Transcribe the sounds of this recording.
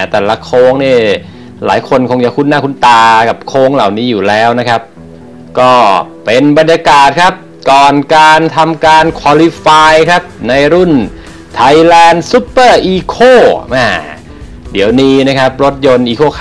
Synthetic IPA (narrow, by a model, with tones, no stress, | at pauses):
t̪ɛː˨˩la˧˥kʰoː˦˥ŋniː˥˩ | la̰ː˨˩˦jkʰo˧nkʰo˧ŋt͡ɕa˨˩kʰu˥˩nːaː˥˩kʰu˧˥˩nt̪aː˧ka˨˩p̚kʰoː˦˥ŋla̰˨˩wniː˦˥juː˨˩lɛː˦˥wna˦˥kʰa˦˥p̚ | kɔː˥˩pe˧nba˧njaː˧kaː˨˩t̪̚kʰa˦˥p̚ | kɔː˨˩nkaː˧nt̪ʰa˧mkaː˧nkʰwa˧li˧faː˧jkʰa˦˥p̚na˧jɾu˥˩n | t̪ʰa˧jlɛː˧nsu˦˥pːɤː˥˩ʔiː˧kʰoː˥˩ʔaː˧˩ | di˨˩˦əwniː˧na˦˥kʰa˦˥p̚ɾo˦˥t̪̚jo˧nʔiː˧kʰoː˥˩kʰ